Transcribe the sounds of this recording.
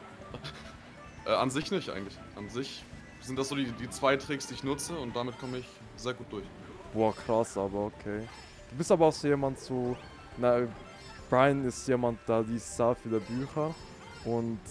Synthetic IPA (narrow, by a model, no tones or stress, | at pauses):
ʔɛːanzɪçnɪçtʔa̰ɪɡŋ̩tlɪçʔanzɪç | z̥ɪntd̥asz̥oːdiːdiːt͡sv̥aɪtʁ̥ɪksd̥iːɪçnʊt͡səʊnt̚d̥amɪt̚kʰɔməɪç | z̥eːɐɡuːt̚d̥ʊɐç | b̥ɔːkʁ̥asaːbɐokʰeː | d̥uːbɪstaːbɐaʊxz̥oːjeːmantz̥oː | nḁ | ʁaɪnɪstjeːmant̚d̥adiːssaːfiːdeːɐbyːçɐ | ʔʊnt